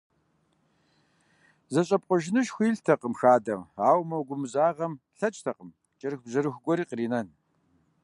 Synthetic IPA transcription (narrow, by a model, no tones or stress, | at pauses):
zɐɕʼɐp̚ʼqʷʼʊʒɪnɨʃxʷiːɮtʰɐqəmxaːdɐmaːwmɐwɡʷʊmɨzaːʁɐmɬɐt͡ʃʼtʰɐqəm | t͡ʃʼɐrɨxbʑɐɾɨxʷɡʷɔɾiːqriːnɐn